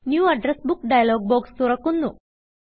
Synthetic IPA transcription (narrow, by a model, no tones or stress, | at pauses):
njuːɐɖɾesbukɖajɐloːɡ̚bɔːkst̪uɾɐkːunːu